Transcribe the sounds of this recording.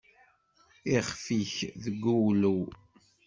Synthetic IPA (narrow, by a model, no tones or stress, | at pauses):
iχfiçðəɡːuwlu